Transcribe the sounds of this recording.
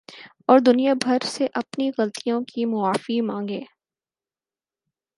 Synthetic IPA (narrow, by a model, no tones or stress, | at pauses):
ɔːɾd̪ʊnijabʱɐɾseʔɐpniɣɐlt̪ʰijõkimʊaːfimãːŋɡeː